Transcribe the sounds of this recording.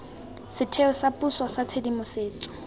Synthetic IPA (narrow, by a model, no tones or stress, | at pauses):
sɪtʰeʊsapʼusɔsat͡sʰedimʊseːt͡sʼɔ̥